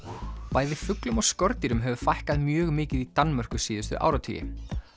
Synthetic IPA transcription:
paːjðɪfʏklʏmɔɣskɔɾt̪iɾʏmɦɛvʏfajhkaðmjœːɣmɪːcɪðit̪anmœr̥kʏsiːðʏst̪ʏ̰ʔa̰ːwɾawt̪ʰḭjɪ̰

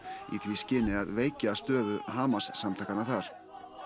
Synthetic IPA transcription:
ḭθviscɪnɪaðveːjcast̪œːðʏɦaːmasːamt̪ʰajkanaθaɾ̥

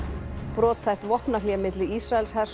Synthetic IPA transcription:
pɾɔːt̪θajht̪vɔhpnaliɣmɪt̪lɪisɾaɛlshɛ̥s

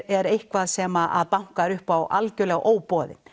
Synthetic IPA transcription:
ɛɾejhkvaðsɛːmaʔa̰ðpawŋ̥kaɾʏhpawʔalcʏlɛɣʔoːwpɔðɪ̰n

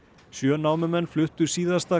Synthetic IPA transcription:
sjœːnaːwmɪmɛnːflʏht̪ʏ̥siːðḁst̪aː

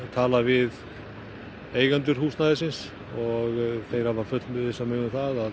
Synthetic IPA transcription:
t̪ʰaːlavɪð | eːjɣant̪ʏɾ̥huːsnaːjðɪs̬ɪns | ɔɣθejɾ̥havafʏt̪mɛɪsamʏːɣʏmθaðað

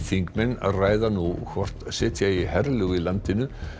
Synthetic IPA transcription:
θiŋkmɛnːa̰ðraːjðanukʰvɔr̥t̪sɛːt̪ʰjaihɛɾlʏɣɪlant̪ɪnʏ

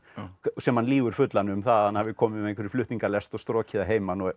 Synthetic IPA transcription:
sɛmhanliːɣʏɾ̥fʏt̪lanʏmθaðhanhavɪkʰɔːmɪɛẽjŋkvɛɾɪ̥flʏt̪niŋkalɛst̪ɔɣst̪ɾɔːcɪðaɦeːjmanɔ

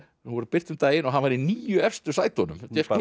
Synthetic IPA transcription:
nuvɔɾʏpɪr̥t̪ʏmt̪aːjɪnɔɦanvaɾiniːjʏɛfst̪ʏ̥saːjt̪ɔnʏmt̪ɛ

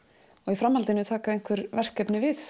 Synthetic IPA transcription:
ɔɣifɾamːhalt̪ɪnʏt̪ʰaːkaðejŋ̥kvɛɾvɛr̥kɛpnɪvɪθ

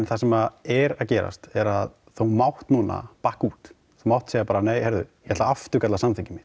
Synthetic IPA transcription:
nθasɛmaɛɾaðcɛːɾa̰st̪ɛɾað | θowmawht̪nuːna̰pahkuːt̪ | θowmawht̪sejapaːɾaneːjhɛɾðʏ̰jɛhɛt̪laaft̪ʏɾkat̪lasanmθɪcɪmɪ̥

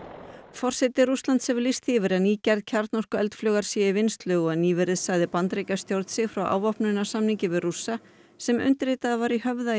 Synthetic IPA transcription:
fɔr̥sɛt̪ɪɾust̪lant̪sɛvlist̪hɪvɪɾɛðniːcɛɾðcʰaɾt̪nɔr̥kʏɛlt̪flœːɣaɾ̥sjɛivɪnst̪lʏːɣɔaniːvɪɾɪðsaːjðɪpant̪ɾejcast̪jowɾt̪sɪfɾawʔa̰ːwvɔhpnʏnasamniŋcɪvɪðrusːa | sɛmʏ̰nt̪ɪɾɪt̪aðavaɾiɦœvða

